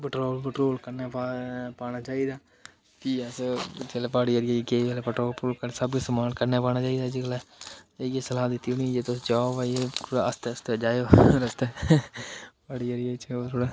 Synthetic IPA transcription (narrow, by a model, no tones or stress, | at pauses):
pəʈɾoːlpəʈɾoːlkəɾnaːpapaːnaːt͡ʃaːiːd̪aː | kiːəst͡ʃəleːpaːɽiːəɾiakeːɛlepəʈɾoːlpoːlkəsəbkesəmaːnkəɾneːpaːñaːt͡ʃaːiːd̪aːd͡ʒikəleː | esəlaːd̪ɪt̪ːioːnĩd͡ʒeːt̪osd͡ʒaːobaeəst̪eəst̪ed͡ʒaːjoːɾəst̪eː | paːɽiəɾiet͡ʃːt̪ʰoːɽaː